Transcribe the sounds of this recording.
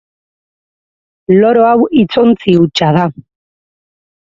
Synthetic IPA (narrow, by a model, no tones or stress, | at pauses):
lo̞ɾo̞awit͡sont͡siut͡ʃað̞a